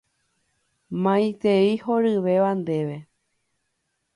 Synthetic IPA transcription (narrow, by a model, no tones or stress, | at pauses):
mãj̃t̪eihoɾɨʋe̞ʋand̪e̞ʋe̞